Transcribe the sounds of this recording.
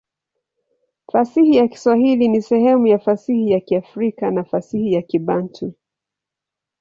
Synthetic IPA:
fasihijaki̥swahilinisɛhɛmujafasihijakiafɾikanafasihijakiɓantʰi

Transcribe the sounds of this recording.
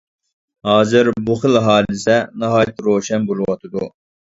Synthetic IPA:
hɑːzɨɾbuχɨlɦɑːlɪsɛnɑɦɑːjt̪ɾoːʃɛnbolˠɨwɑt̪ʰɨd̪u

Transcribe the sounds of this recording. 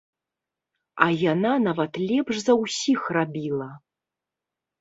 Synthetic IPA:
ɐjananavɐt̪lʲɛpʂzɐwsʲixrabʲilˠɐ

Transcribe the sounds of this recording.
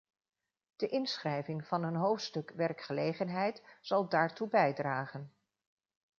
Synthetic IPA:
d̥əʔɪnsχrɛjvɪŋv̥ɑnənɦowftstɵkʋɛrkχəlejχənɦɛjtz̥ɑlˠdaːɹtubɛjdraːχən

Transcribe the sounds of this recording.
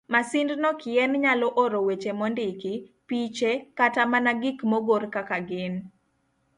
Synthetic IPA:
masindnɔkɪɛnɲalɔʔoɾowet͡ʃemɔndɪkipit͡ʃekatamanaɡɪkmoɡorkakaɡɪn

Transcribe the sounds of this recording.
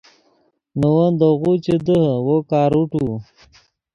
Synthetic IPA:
nəwənd̪oɣut͡ɕed̪əhəwokaːɾuʈu

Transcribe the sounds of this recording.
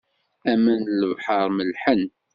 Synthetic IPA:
æmənləvħəɾˤməlħən

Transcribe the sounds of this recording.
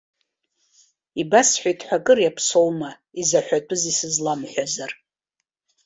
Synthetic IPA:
ibasħʷᶣajtʰħʷᶣakʼɨrjapʰso̞wma | izaħʷᶣatʷʼʊzisɨzlamħʷᶣazar

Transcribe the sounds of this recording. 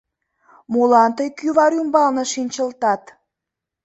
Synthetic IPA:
molɑnt̪əjkyβɑɾumbɑlnɤ̆ʃinʲt͡ɕəlt̪ɑt̪

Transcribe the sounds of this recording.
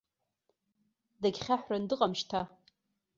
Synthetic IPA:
daɡʲχʲaħʷrandɨqʼamʃtʰa

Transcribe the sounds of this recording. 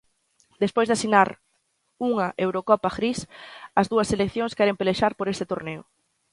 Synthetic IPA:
d̪espojzðasinaɾ | uŋɐʔewɾokɔpaɣɾisɐzðuɐselekθjoŋskɛɾempeleʃaɾpoɾest̪et̪oɾneʊ̰

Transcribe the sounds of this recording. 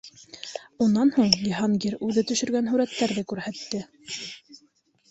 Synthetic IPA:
unːɑnhuɴjiɦɑnɡiɾʉðɘt̪ɵ̆ʃɵ̆ɾɡænɦʉɾæt̪ːæɾðɘkʉɾhæt̪ːɘ

